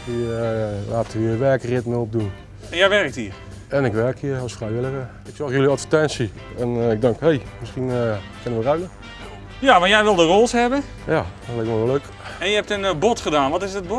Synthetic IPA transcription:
dilaːtəʋiːʋɛːkərɪtmeop̚dun | ɛnjɛjʋɛrk̚tiːr | ɛnɪkʋɛrkʰiəɔlˠsfrɛjʋɪlˠəɣə | ɪksɔxjøliɑtfətɛnsi | ɛnɪɡ̚dɛŋkhejmɪsxinkɪnənʋəraɥnə | jaʋanjɛjʋɪlˠdərolˠsɦɛbən | jatlɛkʋɔnløɥk | ɛnjəɛp̚tənbɔtχədaːnʋɔtɪsət̚bo

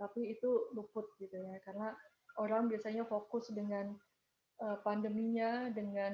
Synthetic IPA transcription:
t̪apiːt̪ulupʊt̪̚ɡit̪ujakaɾəna | oɾaŋbiasaɲafokʊsdəŋan | əpandəmiɲadəŋan

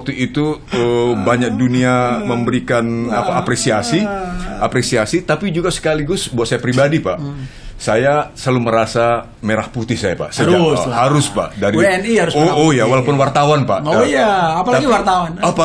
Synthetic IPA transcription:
wwak̚t̪uʔit̪uəbaɲak̚duniaməmbəɾikanapaːpɾesiasiapɾesiasit̪apid͡ʒuɡasə̥kaliɡʊsbuat̪̚sajapɾibadipaʔsajasaluməɾasa | meɾahput̪ɪhsajapa̰ʔsəd͡ʒahaɾʊspa̰ʔdaɾiɛnihaɾʊsojawalapʊnwart̪awanpa̰ʔojaːpalaɡiwart̪awanapa

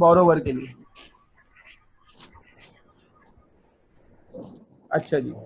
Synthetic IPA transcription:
bɔɾoʋəɾkeliː | ətːɕʰad͡ʑḭː

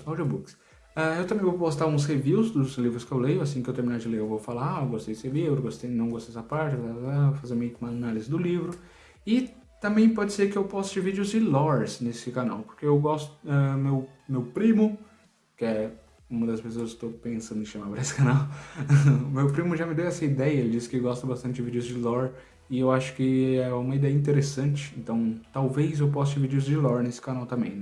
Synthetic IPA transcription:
awd͡ʒiobuks | aewt̪ɐ̃mẽj̃vowpost̪aɾũs̬heviwzd̪ʊzlivɾʊskɪewlejʊasĩkɪewt̪eɾminaɾʊd͡ʒɪlejewvowfalaɾaewɡost̪ejd͡ʒɪsevievɾʊwɡost̪ejnɐ̃w̃ɡost̪ejsapaɾt͡ʃɪazafazeɾmiɐkmɐɐnalizɪd̪ʊlivɾʊ | ɪt̪ɐ̃mbẽj̃pɔd͡ʒɪseɾkɪewpɔst̪ʊd͡ʒɪvid͡ʒʊzd͡ʒɪlɔɾsnesɪkana̰wpo̥ɾkeewɡɔst̪ʊɛmewmewpɾĩmʊ | kɪɛ | ũmɐd̪ɐspesoɐzkst̪owpẽsɐ̃nd̪ʊɪ̃ʃɐ̃maɾpɾɐesɪ̥kanaw | mewpɾimʊʒamɪd̪ewɛsɐid̪ɛjɐelɪd͡ʒisɪ̥kɪɡɔst̪ɐbast̪ɐ̃t͡ʃɪd͡ʒɪvid͡ʒʊzd͡ʒɪlɔɾ | ɪewaʃʊ̥kɪɛũmɐid̪ɛjɐĩt̪̬eɾesɐ̃t͡ʃɪ̥ẽnt̪ɐ̃w̃t̪awvejzewpɔs̬ʊd͡ʒɪvid͡ʒɪʊzd͡ʒɪlɔɾnesɪ̥kanawt̪ɐ̃mbḛ̃j̃nɛ

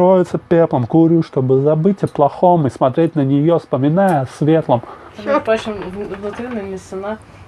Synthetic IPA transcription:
ɾojɪt̪səpʲeplˠəmkʊɾʲuʂt̪obɨzɐbɨtʲɪplˠɐxomɨsmɐt̪ɾʲet̚ʲnənʲɪjospəmʲɪnajəsvʲet̪lˠəm | apɾot͡ɕɪnvnʊt̪ɾʲinəmʲɪsɨna

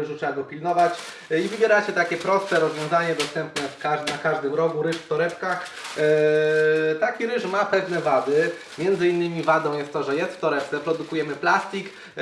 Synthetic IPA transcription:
ɘʐutʂɛbaɡɔpʲilnɔvat͡ɕ | ivɘbʲjɛɾat͡ɕɛt̪akʲɛpɾɔst̪sɛɾɔzvjɔ̃w̃zaɲɛd̪ɔst̪ɛmpnɛfkaʐnakaʐd̪ɘmɾɔɡuɾɘʂft̪ɔɾɛpkax | t̪akʲiɾɘʂmapɛvnɛvad̪ɘ | mʲjɛnd̪zɘinːɘmʲivad̪ɔ̃w̃jɛst̪ːɔʐɛjɛst̪ft̪ɔɾɛp̚t̪sɛpɾɔd̪ukujɛmɘplast̪ʲik

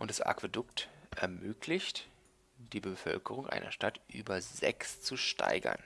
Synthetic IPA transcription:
ʔʊntd̥asa̰kv̥edʊktʔɛɐmøːkʰlɪçt | d̥iːbəfœ̰lkəʁ̞ʊŋʔa̰ɪnɐʃtatʔyːbɐzɛkst͡suʃta̰ɪɡɐ̰n

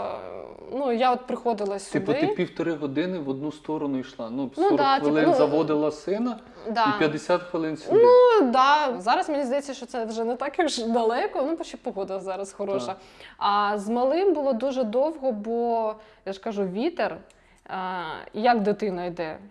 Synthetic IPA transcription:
nujaɔt̪̚pɾɪxɔd̪ɪlˠɐsʲidpɔɪipʲiwt̪ɔɾɪɦɔd̪ɪnɪʋɔd̪̚nust̪ɔɾɔnʊiʃlˠɑnusnud̪at̪ʋeilˠɪnzɐʋɔd̪ɪlˠɐsɪnɐ | d̪ɑipʲjɐd̪esʲat̪xʋelˠɪnsʲnud̪ɑzɑɾɐsmenʲizd̪ɐjɛt͡sʲːɐʃt͡ʃɔt̪ɛʋʒɛnɛt̪ɑkuʒd̪ɐlˠɛkɔnupɔʃt͡ʃːɛpɔɦɔd̪ɪlˠɐzɑɾɐsxɔɾɔʃɐ | ɐzmɐlˠɪmbʊlˠɔd̪uʒɛd̪ɔwɦɔbɔjaʃkɐʒuʋʲit̪er | jɐkd̪ɪt̪ɪnɐjd̪ɛ

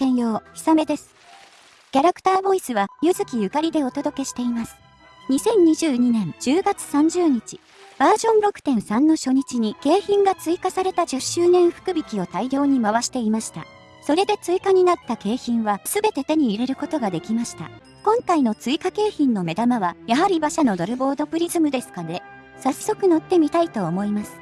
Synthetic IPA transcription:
kẽɰ̃jo̞ːçʲi̥same̞d̪e̞sɨ̥ | kʲaɾakɯ̥t̪aːbo̞isɨβajɯzɨkʲijɯ̟kaɾʲid̪e̞o̞t̪o̞d̪o̞ke̞ɕi̥t̪e̞imasɨ̥ | ɲ̟isẽ̞ɲ̟ɲːiʑɨːɲ̟inẽ̞nd͡ʑɨːɡat͡sɨ̥sãɲ̟d͡ʑɨːɲ̟it͡ɕi̥ | b̥aːʑõ̞nɾo̞kɯ̥t̪ẽ̞ɰ̃sãnːo̞ɕo̞ɲ̟it͡ɕiɲ̟ike̞ːçĩŋɡat͡sɨikasaɾe̞t̪ad͡ʑɨɕɨːnẽ̞ɰ̃ɸɯ̟̥kɯ̟bʲikʲio̞t̪aiɾʲo̞ːɲ̟imaβaɕi̥t̪e̞imaɕi̥t̪a̰ | so̞ɾe̞d̪e̞t͡sɨikaɲ̟inat̪ːake̞ːçĩɰ̃βasɨbe̞t̪e̞t̪e̞ɲ̟iːɾe̞ɾɯ̟ko̞t̪o̞ɡad̪e̞kʲimaɕi̥t̪a̰ | kõ̞ŋkaino̞t͡sɨikake̞ːçĩnːo̞me̞d̪amaβajaɦaɾʲibaɕano̞d̪aɾɯ̟bo̞ːd̪o̞pɯ̟ɾʲizɨmɯ̟d̪e̞sɨ̥kane̞ | sasːo̞kɯ̟no̞t̪ːe̞mʲit̪ait̪o̞ːmo̞imasɨ̥

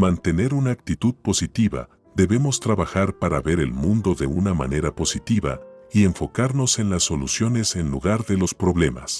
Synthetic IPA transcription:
mant̪e̞ne̞ɾunaːk̚t̪it̪uðpo̞sit̪iβa̰ | ðe̞βe̞mo̞st̪ɾaβaxaɾpaɾaβe̞ɾe̞̰lmũnd̪o̞ðe̞unama̰ne̞ɾapo̞sit̪iβa̰ie̞ɱfo̞kaɾno̞se̞nlasːo̞lusjo̞ne̞se̞nluɣaɾðe̞lo̞spɾo̞βle̞ma̰s

